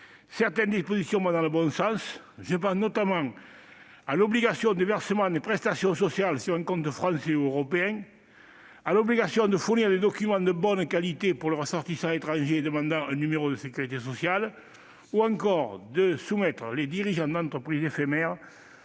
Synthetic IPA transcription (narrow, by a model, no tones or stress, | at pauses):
sɛʁt̪ɛnd̪ispozisjɔ̃mad̪ɑ̃ləbɔ̃sɑ̃s | ʒəp̬ɑ̃snɔt̪amɑ̃ŋ | alɔbliɡasjɔ̃d̪evɛʁsəmɑ̃d̪epχɛst̪asjɔ̃sɔsjalsyʁɛ̃ŋkɔ̃nt̪əfχɑ̃seuøʁɔpeɛ̃ŋ | alɔbliɡasjɔ̃d̪əfuʁniʁd̪ed̪ɔkymɑ̃d̪əbɔnkalit̪epuʁləʁəsɔʁt̪isɑ̃et̪χɑ̃ʒed̪əmɑ̃nd̪ɑ̃ɛ̃nymeʁod̪əsəkyʁit̪esɔsjal | uɑ̃ŋkɔʁd̪əsumɛt̪χəled̪iʁiʒɑ̃d̪ɑ̃nt̪χəpχizefemɛʁə